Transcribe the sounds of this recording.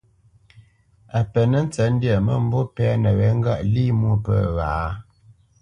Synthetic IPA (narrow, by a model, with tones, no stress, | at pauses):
a˨pə˨nə˦n̩˦t͡sə˨˦n̩˦djə˨mə˦m̩˨bo˦pɛ˦nə˨ɣɛ˨˦ŋ̩˦ɡa˦˨ʔli˦mwu˦˨pə̰˦˨ɣa˨˦